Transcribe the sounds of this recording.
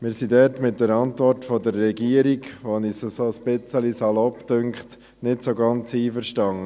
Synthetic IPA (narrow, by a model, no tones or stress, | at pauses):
mɪːɾsidɛtmɪt̚dəɾɑntʋɔrtfɔdəɾːɛɡiəɾikʋonisəsoəsb̥ɪt͡səlisɑlɔptʏŋkχt | nɪtsoɡɑnt͡siːfəɾʃtɑŋə